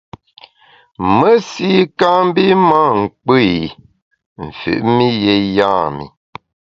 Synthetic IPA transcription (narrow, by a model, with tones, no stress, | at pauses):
mə˦si˦ka˦m˦bi˦ma˦ŋ̩˨k͡p | ɱ̩˨fʉ̰˨ʔmi˦je˨jaː˦˨mḭ˨